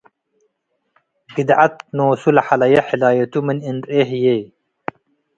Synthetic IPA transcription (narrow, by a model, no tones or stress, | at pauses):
ɡid̪ʔat̪̚noːsulɐħalɐjɐħilaːjɐt̪uminind̪ɾeɦjej